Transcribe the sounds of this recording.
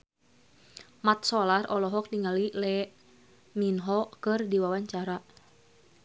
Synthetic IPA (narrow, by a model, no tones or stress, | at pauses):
mat̪̚sɔlarɔlɔɦɔk̚niŋalilɛ | minɦɔkɨrdiwawaɲt͡ʃaɾa